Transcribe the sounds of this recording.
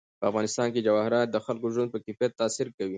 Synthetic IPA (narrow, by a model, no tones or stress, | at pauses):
pəafɣɑːnɪst̪ɑːnked͡ʒawɑhɪɾɑt̪̚d̪əxalkoʒwand̪̚pəkɪfjat̪ːaːsɪɾkawi